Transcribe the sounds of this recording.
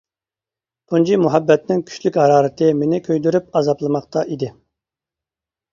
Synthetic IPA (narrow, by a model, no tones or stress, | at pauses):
t̪ʰund͡ʒimuɦɛbːɛt̪nɪŋkʲʰy̥ʃlykʲhɑɾɑːɾɨt̪ʰɨmenɪkʲʰøjd̪yɾyp̚ɑzɑplˠɨmɑqt̪ʰɑʔid̪ɪ